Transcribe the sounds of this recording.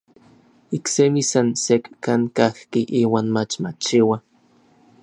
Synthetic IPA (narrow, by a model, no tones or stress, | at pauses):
iksemisansekkaŋkahkiʔiːwaːnmat͡ʃmat͡ʃiwa